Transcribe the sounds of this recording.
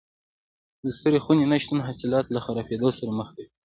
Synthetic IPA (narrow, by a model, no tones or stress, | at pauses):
d̪əst̪əɾexunenaʃt̪anɦasɪlɑt̪laxaɾɑfed̪osaɾaməxd̪e